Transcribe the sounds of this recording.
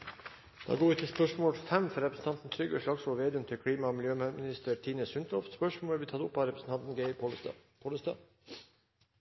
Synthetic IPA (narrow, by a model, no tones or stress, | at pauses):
d̪̥ɑ̰ɡoːʉːt̪ʰɪspœʂmoːlfɛmfɔɾɛpɾəsn̩t̪ʰɑnt̪n̩t̪ʰɾʏɡəʂɭɑksɔoːʋeːd̪ʉmt̪ʰɪlkʰɽiːmɑɔmɪljøːmmɪnɪst̪əɾt̪ʰiːnəsʉnt̪ʰɔft̪spœʂmoːləbit̪ʰɑːd̪ʊpːɑɾɛpsn̩t̪ʰɑnt̪n̩ɡeɪpʰoːləst̪ɑ̰ː